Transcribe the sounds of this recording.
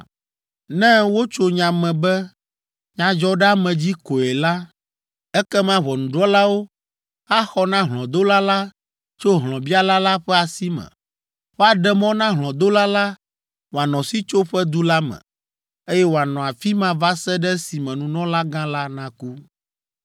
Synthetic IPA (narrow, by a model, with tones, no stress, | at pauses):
nɛ̃˦wo˦t͡ʃo˦ɲã˨mɛ̃˨bɛ˦ | ɲã˨d͡ʒɔ˦ɖɛ˦a˦mɛ̃˨d͡ʑi˦ko˨ɛ˨la˦ | ɛ˦kɛ˦mã˦βɔ˨nũ˨ɖɔ˦la˦wo˦ | a˦xɔ˦nã˦ɦlɔ̃˨d̪o˦la˦la˦ | t͡ʃo˦ɦlɔ̃˨bi˦a˦la˦la˦ɸɛ˦a˨si˦mɛ̰̃˨ | wo˦a˨ɖɛ˦mɔ̃˦nã˦ɦlɔ̃˨d̪o˦la˦la˦ | wo˨a˨nɔ̃˨si˦t͡ʃo˦ɸɛ˦d̪u˦la˦mɛ̰̃˨ | e˦jɛ˦wo˨a˨nɔ̃˨a˨fi˦mã˦va˦sɛ˦ɖɛ˦si˨mɛ̃˨nũ˨nɔ̃˦la˦ɡã˦la˦nã˦ku˦